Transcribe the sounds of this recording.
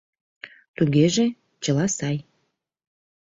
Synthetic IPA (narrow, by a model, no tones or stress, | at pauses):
t̪uɣeʒe | t͡ɕəlɑsɑj